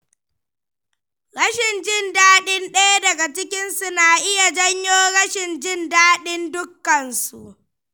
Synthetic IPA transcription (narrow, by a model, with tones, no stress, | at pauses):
ɽɐ˦ʃɪ˨nd͡ʒɪ˦˨ndaː˦ɗɪ˦nɗɐ˦ja˦dɐ˨ɡa˨t͡ʃɪ˦kʲɪ˦nsʊ˦naː˨ʔɪ˦ja˨d͡ʒɐ˦ɲjoː˦ɽɐ˦ʃɪ˨nd͡ʒɪ˦ndaː˦ɗɪ˦ndʊ˦kːɐ˨nsṵ˨ʔ